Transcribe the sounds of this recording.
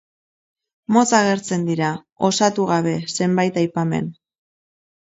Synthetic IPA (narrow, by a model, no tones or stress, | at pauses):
mo̞t͡saɣ̞e̞ɾt͡se̞nd̪iɾa | o̞sat̪uɣaβ̞e̞se̞mbajt̪ajpame̞̰n